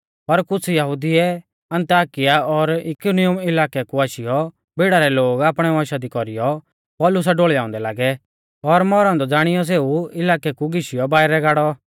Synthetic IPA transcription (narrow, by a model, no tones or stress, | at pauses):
pɐɾkʊt͡sʰjɐɦʊd̪ɪɛ | ɐ̃nt̪aːkɪjaɔɾɪkʊnɪjʊmɪlaːkɛkuaːʃɪjɔ | beːɽaɾɛloːɡaːpɽ̃ɛʋɔ̃ːʃad̪ikɔɾɪjɔ | pɔːlʊs̬aɖoːɭjaːʊ̃nd̪ɛlaːɡɛ | ɔɾmɔːɾãnd̪ɔd͡zaːɽ̃ɪjɔs̬eːuɪlaːkɛkuɡɪʃɪjɔbaːɪɾɛɡaːɽɔ